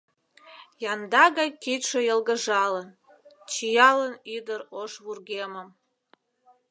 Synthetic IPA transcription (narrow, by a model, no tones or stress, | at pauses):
jɑnd̪ɑɣɑjkit̪ʃejəlɣəʒɑlən | t͡ɕijɑlənid̪əɾoʃβurɣeməm